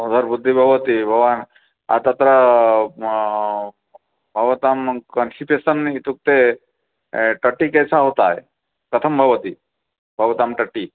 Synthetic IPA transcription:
d̪ʱəɾbʊd̪ʱːibʱɐɡʋət̪ibʱɐʋaːn | a̰t̪ɐt̪ɾə | bʱɐʋət̪aːmkənsʈipesənit̪uk̚t̪e | ʈəʈːikɛjsaɦot̪aɦe | kət̪ʰəmbʱɐɡʋət̪i | bʱɐʋɐt̪aːmʈəʈːi

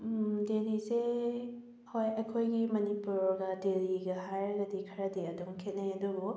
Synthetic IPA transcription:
delise | hojɐjkʰojɡimɐnipuɾɡɐdeliɡɐɦajɐɡɐdikʰɐɾɐdeɐdɔŋkʰet̚najɐduɡu

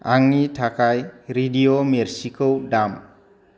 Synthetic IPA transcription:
aŋitʰakajɾidiomɛrsikowdam

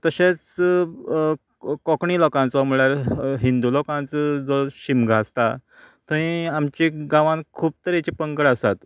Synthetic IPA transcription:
t̪əɕet͡s | kɔkɳiːlɔkãnt͡sɔm̤əɭjaɾɦind̪ulɔkãnt͡sd͡zɔɕimɡʱast̪a | t̪ə̃ĩamt͡ɕiɡãʋãnkʰuːb̚t̪əɾet͡ɕipəŋkəɽasat̪

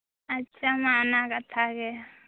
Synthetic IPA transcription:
ɐtːʃʰamaːnakɐt̪ʰaɡɐja

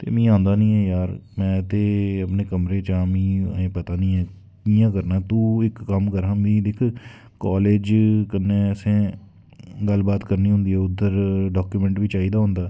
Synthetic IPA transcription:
t̪ḛːmĩːãːnd̪aːnĩːɛːjaːɾmɛ̃ːt̪eːəpneːkəmɾeːt͡ʃãːmḭ̃ːẽːpət̪aːnĩːɛː | kiːjãːkəɾnaːt̪ũːɪkːəmkəɾɦãːbĩːd̪ɪkʰ | kaːleːd͡ʒkənːeːəsẽː | ɡəlbaːt̪kəɾniːɦʊ̃nd̪iːɛːʊd̪ːəɾɖaːkjuːmɛ̃ːɳʈʋiːt͡ʃaːiːd̪aːɦʊ̃nd̪aː

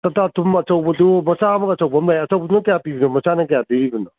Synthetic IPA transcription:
tɐtatʰumɐt͡ʃɐwbɐdumɐsamɐkɐsɐwbɐmlajɐt͡ʃɐwbɐdunɐtɐjapibinumɐsanɐkɐjadiɾibɯnɐ

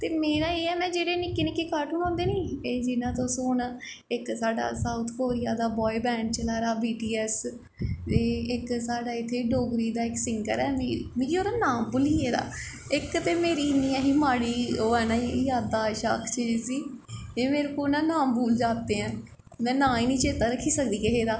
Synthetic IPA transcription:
t̪eːmeːɾaːeːɛːmɛ̃ːd͡ʒeːɽeːnɪkːeːnɪkːeːkaʈɦʊnãːnd̪eːniːeːd͡ʒɪnãːt̪õːsʊɳ | ɪksaːɖa̰ːsaːʊt̪ʰkoːɾɪjaːd̪aːbɔːibɛ̃ːɳɖ̚t͡ʃəlaːɾaːbiːʈiːɛs | eːɪksaːɖaːɪt̪ʰːeːɖoːɡɾiːd̪aːɪksɪŋkə̰ɾɛːmimĩkioːɾaːnaːmbʊliːeːɾa̰ː | ɪkt̪eːmeːɾiːnijãːɦiːmaːɽiːoːɛːnãːijaːd̪aːʃa̰ːkʰt͡ʃəsiː | eːmeːɾekoːnãːnaːmbuːld͡ʒaːt̪eːɛ̃ː | mɛ̃ːnãːiːnĩːt͡ʃeːt̪aːɾəkʰːiːsəkd̪iːkəɦeːd̪aː

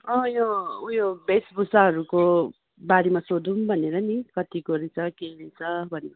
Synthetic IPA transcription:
ʌ̃joujobesbusaɦʌɾuko | baɽimasod̪umbʱʌneɾʌnikʌt̪ikoɾit͡sʰʌkeɾit͡sʰʌbʱʌne

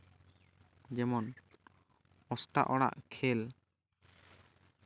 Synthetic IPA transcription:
d͡ʒɛmɔn | ɔsʈa̰ʔɔɽ̃a̰ʔkʰɛl

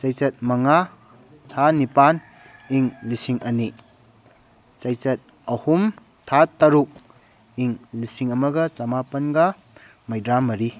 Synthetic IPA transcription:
t͡ʃɐjt͡ʃɐt̚mɐŋa | tʰanipan | iŋlisiŋʔɐni | t͡ʃɐjt͡ʃɐt̚ | ɐhum | tʰatɐɾuk̚ | iŋlisiŋɐmɐɡɐt͡ʃɐmapɐnɡɐ | mɐjdɾamɐɾi

